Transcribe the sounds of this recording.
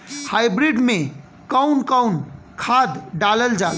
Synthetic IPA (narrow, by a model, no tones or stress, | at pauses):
hajbɾiɖme | kəwnkəwn | kʰad̪ɖaləld͡ʒa